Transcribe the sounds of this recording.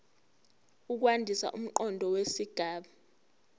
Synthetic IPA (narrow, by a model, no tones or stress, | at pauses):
uk̬wandʱisa̰ʔum̩ǃɔndʱɔwesiɡ̥ʱaːɓa